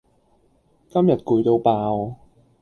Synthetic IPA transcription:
kɐ˥mjɐ˨˩t̚kuː˨˧jt̪o˧wpaː˧w

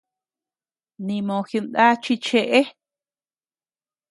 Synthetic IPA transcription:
nĩ˧mõ˨xi˧nd̪a˦t͡ʃi˧t͡ʃe˧ʔe˦

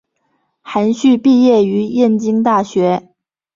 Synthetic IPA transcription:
xa˧˥nɕy˥˧pi˥˧jɛ˥˩y˧˥jɛ˥˩nt͡ɕi˥ŋt̪a˥˩ɕɥɛ˧˥

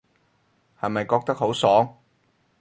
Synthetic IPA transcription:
hɐ˨jmɐ˨jkɔː˧k̚t̪ɐ˥k̚ho˨˥wsɔː˨˥ŋ

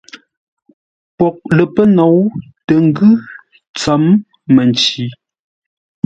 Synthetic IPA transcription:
pɔ˨k̚lə˨pə˦nɔ˨˦wtə˨ŋ̩˦ɡʉ˦ | t͡sa˨˦mː | ə˨nt͡ʃi˨˦

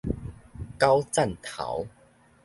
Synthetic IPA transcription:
ka˦˥wt͡sa˥˨nt̪ʰa̰˨˦w

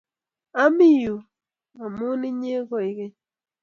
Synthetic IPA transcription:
a˦mi˦ju˨ | a˨mu˦ni˦ɲe˦ɣo˨i˨ɣe˦

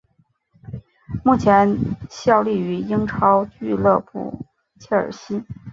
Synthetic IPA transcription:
mu˥˩t͡ɕʰjɛ˧˥nɕjɑ˥˧ʊli˥˩y˧˥i˥ŋʈ͡ʂʰɑ˥ʊt͡ɕy˥˧lɤ˥˧pṵ˨˩ | t͡ɕʰɛ˥ə̰˞˨˩ɕi˥

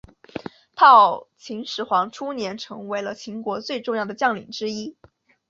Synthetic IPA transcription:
t̪ʰɑ˥˩ʊt͡ɕʰi˧˥ŋʂɻ̩˧˥xwɑ˧˥ŋʈ͡ʂʰu˥njɛ˧˥nʈ͡ʂʰɤ˧˥ŋwe˧˥ɪlə˧t͡ɕʰi˧˥ŋkwɔ˧˥t͡swe˥˧ɪʈ͡ʂʊ˥˧ŋjɑ˥˩ʊd̪ə˩t͡ɕjɑ˥˩ŋlḭ˨˩ŋʈ͡ʂɻ̩˥i˥

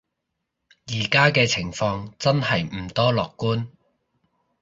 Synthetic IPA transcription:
jiː˨˩kaː˥kɛː˧t͡sʰɪ˨˩ŋfɔː˧ŋt͡sɐ˥nhɐ˨jm̩˨˩t̪ɔː˥lɔː˨kːuː˥n

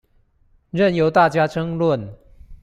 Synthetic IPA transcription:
ɻə˥˩njo˧˥ʊt̪a˥˩t͡ɕja˥ʈ͡ʂʰɤ˥ŋlwə˥˨n

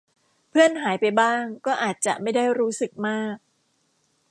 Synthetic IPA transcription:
pʰɯ˥˩ənɦaː˩˦jpa˧jbaː˥˩ŋkɔː˥˩ʔaː˨˩t̪̚t͡ɕa˨˩ʔma˥˩jda˥˩jɾuː˦˥sɯ˨˩k̚maː˥˩k̚

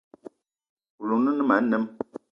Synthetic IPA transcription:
u˨lo˨nə˦nə˦ma˨˦n̩˦nɛ˦m

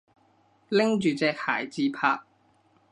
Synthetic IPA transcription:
lɪ˥ŋt͡ʃyː˨t͡sɛː˧k̚ha̰ː˨˩jt͡siː˨˧pʰa̰ː˧k̚

